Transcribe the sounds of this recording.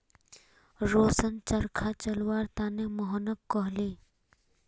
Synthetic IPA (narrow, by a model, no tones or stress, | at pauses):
ɾoːsənt͡ʃəɾkʰat͡ʃɐlwaːɾt̪aːnemɔɦnəkːɔɦliː